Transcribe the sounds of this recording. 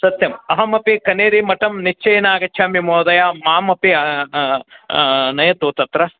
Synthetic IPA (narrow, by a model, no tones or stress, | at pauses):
sɐt̪jɐmɐɦɐmɐpikɐneːɾimɐʈɐmnit͡ʃʰːɐjnaːɡɐt͡ʃt͡ʃʰaːmimoːd̪ɐjamaːmɐpiɐ | nɐjɐt̪uːt̪ɐt̪ɾɐ